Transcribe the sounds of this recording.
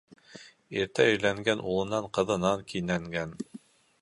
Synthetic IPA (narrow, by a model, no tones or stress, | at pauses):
iɾt̪æɵ̆jlæŋɡænʔulˠɤ̆nɑɴqɤ̆ðɤ̆nɑŋkinæŋɡæn